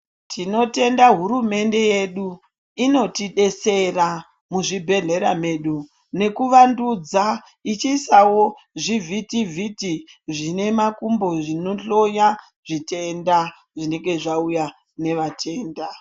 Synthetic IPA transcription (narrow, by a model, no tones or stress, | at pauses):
tʰino̞te̞ndaɦuɾume̞nde̞je̞ɗu | ino̞tiɗe̞se̞ra | muʐibʱe̞ɮe̞ɾame̞ɗu | ne̞kuʋandud͡za | it͡ʃisawo̞ | ʐivʱitivʱitiʐine̞makumbo̞ʐinoɬo̞ja | ʐ̥ite̞nda | ʐine̞ŋɡe̞ʐauja | ne̞ʋatʰe̞ːnda